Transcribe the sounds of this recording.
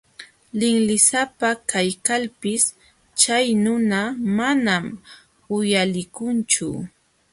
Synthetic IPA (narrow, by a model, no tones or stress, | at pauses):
lɪŋlɪsapakajkalpɪs | t͡ʃajnʊnamanam | ʊjalɪkʊnt͡ʃʊ̰